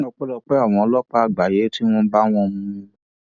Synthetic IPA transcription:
ɔ̃˧k͡pɛ˦lɔ˧k͡pɛ˦a˦˨w̃ɔ̃˨˧˦lɔ˦k͡pa˦a˨ɡ͡ba˨je˨˦ti˦w̃ɔ̃˦ba˦w̃ɔ̃˧mũ˦˧

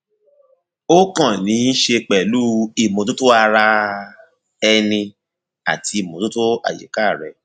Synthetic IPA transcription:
o˦kã˦˨nĩ˨˦n̩˦ʃe˧k͡pɛ˨lu˦i˨mõ˨tu˦to˦a˧ɾa˧ | ɛ˧nĩ˧ | a˨ti˧i˦˨mõ˨tu˦to˦a̰˨jḛ˨ka˦˨ɾɛ˨

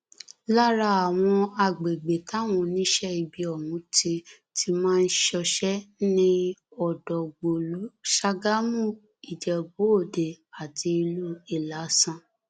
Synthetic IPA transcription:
la˦ɾa˧a˨w̃ɔ̃˧a˧˨ɡ͡be˨ɡ͡be˨ta˨˦w̃ɔ̃˧˨nĩ˦ʃɛ˦i˧bi˧ɔ˨mũ˨˦te˧ | tʰi˧mãː˦˧n̩˦ʃɔ˧ʃɛ˦nĩ˦ɔ˨dɔ˨ɡ͡bo˨lu˨˦ʃa˦ɡa˦mũ˦˨ | i˨d͡ʒɛ˨bo˨˦o˦˨de˨a˨ti˧i˧lu˦i˦˨la˨˦sã˦˨

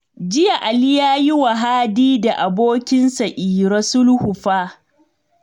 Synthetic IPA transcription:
d͡ʒɪ˦ja˨ʔa˨lɪ˦jaː˦jɪ˦wa˨ɦaː˦diː˦da˨ʔa˨boː˦kʲɪ˦nsa˨ʔiː˨ɾɔ˦sʊ˦lhʊ˨ɸaː˦

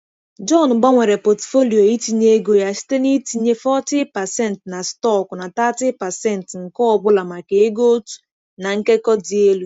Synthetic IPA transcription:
d͡ʒɔ˦˨n˨ɡ͡ba˦ŋʷe˨ɾe˨pɔ˨tfo˦li˨o˨i˦ti˨ɲe˦ɡo˨ja˨si̥˦te˦ni˦ti˨ɲe˦fɔ˦tɪ˦pa˨sɛ˦˨n˨tna˨stɔ˦˨kʊ˨na˨ta˦tɪ˦pa˨sɛ˦˨n˨tŋ̩˨kɔ˦ɔ˨bʊ˦la˨ma˨ke˨˦ɡo˦tu̥˨ | na˨ŋ̩˦ke˦kɔ˦di˨e˦lu˦

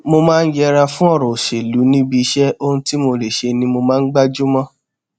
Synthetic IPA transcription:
mo˧mãː˦˧n̩˦d͡ʒɛ˧ɾa˧fũ˦ɔ˦˨ɾ̃ɔ̃˨ʃe˨lu˨˦nĩ˦bi˧ʃɛ˦o˦ũ˧ti˦mo˧le˨ʃe˧nĩ˧mo˧mãː˦n̩˦ɡ͡ba˦d͡ʒu˦mɔ̃˦

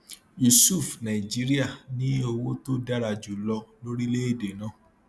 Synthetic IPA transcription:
ju˨su˦˨fnã˨i˨d͡ʒi˨˦ɾi˦a˦˨nĩ˦o˧wo˦to˦da˦ɾa˧d͡ʒu˨lɔ˧lo˦ɾi˦le˦i˦˨de˨nã˦˨

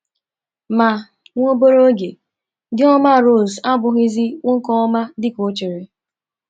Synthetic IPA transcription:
ma˨ | ŋʷo˦bo˦ɾo˦ɡe˨ | dɪ˦ɔ˦ma˦˨ɾo˦˨za˦bʊ˨ɣɪ˦zɪ˦ŋʷʊ˦ŋ̩˦kɔ˦ɔ˦ma˦dɪ˦ko˨˦t͡ʃi˨ɾɪ˨

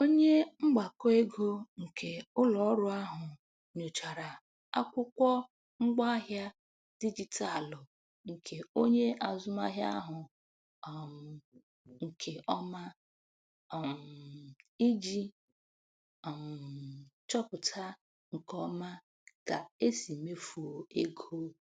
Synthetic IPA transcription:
o˦ɲe˦ŋ͡m̩˦ɡ͡ba˨kɔ˦e˦ɡo˦ŋ̩˨kʰe˨ʊ˦lɔ˨˦ɾʊ˦a˦ɦʊ˨ | ɲo˨t͡ʃa˨ɾa˨ | a̰˦kʷʊ˦kʷɔ˦ | ŋ͡m̩˦ɡ͡ba˦ɦja˦ | di˦d͡ʒi˨ta˨a˨lʊ˨ | ŋ̩˨kʰe˨o˦ɲe˦ʔa˨zʊ˦ma̰˦ɦja̰˦a˦ɦʊ˨ | m˨ | ŋ̩˨kʰe˨ʔɔ˦ma˦˨ | m | i˦d͡ʒi˦˨ | m̩˨t͡ʃɔ˦pʊ˨tʰa˦ | ŋ̩˨kɔ˦ma˦ | ka˨e˦si˨me˦fu˨o˨e˦ɡʰo˦

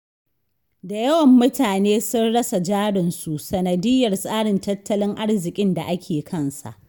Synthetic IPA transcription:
da˨jɐ˦wɐ˨mːʊ˦tʰaː˨neː˦sʊ˦nɽɐ˦sa˨d͡ʒaː˦ɽɪ˨nsu˨ʔsɐ˨nɐ˨dɪ˦jːɐ˨rsʼaː˦ɽɪ˨ntɐ˦tːɐ˦lɪ˦ŋʔa˦ɽzɪ˨kʲʼɪ˦nda˨ʔa˦kʲʰeː˨kʰɐ˦nsa̰˨ʔ

